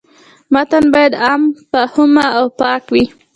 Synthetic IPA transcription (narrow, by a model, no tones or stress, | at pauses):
mat̪anbɑjad̪ɑmpəhʊmaawpɑkwi